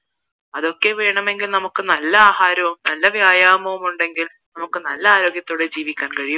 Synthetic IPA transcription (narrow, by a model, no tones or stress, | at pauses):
ɐðo̞kːe̞ʋe̞ːɳɐme̞ŋɡilnɐmukːɨnɐlːɐaːɦaːɾɐʋumnɐlːɐʋjaːjaːmɐʋumuɳɖe̞ŋɡil | nɐmukːɨnɐlːɐaːɾo̞ːɡʲjɐt̪ːo̞ːɽed͡ʑiːʋikʲːaːnkɐɻiju